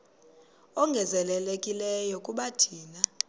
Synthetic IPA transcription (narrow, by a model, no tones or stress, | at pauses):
ɔŋɡʱɛzɛlɛlekʼilɛjɔkʼuɓatʰiːna